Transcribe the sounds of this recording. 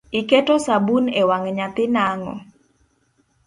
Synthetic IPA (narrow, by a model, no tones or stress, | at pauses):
iketosabunewaŋɲat̪ɪnaŋɔ̰